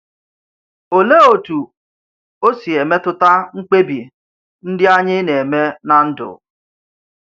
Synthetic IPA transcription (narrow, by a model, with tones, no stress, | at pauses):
o˨le˦o˨tu˨ | o˦si˨e˨me˦tʊ˦ta˦ŋ͡m̩˦k͡pe˦bi˨ | n̩˦dɪ˦a˦ɲɪ˦ne˨e˨me˦na˨n̩˦dʊ̰˨